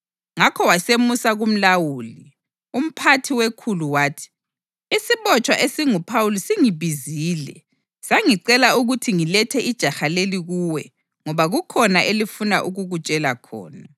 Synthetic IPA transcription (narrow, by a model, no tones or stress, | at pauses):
ŋakʰɔwasemusaɣum̩lawuːli | um̩pʰatʰiwekʰuluwaːtʰi̥ | isiβɔt͡ʃʼwaʔesiŋupʰawulisiŋiβiziːlɛ̰ | saŋiǀɛlauɣutʰiŋilɛtʰɛʔid̥ʒ̥ʱaxaleliɣuwɛ | ŋɔβaɣukʰɔnaʔelifuna̰ʔuɣuɣut͡ʃʼɛlakʰɔ̰ːna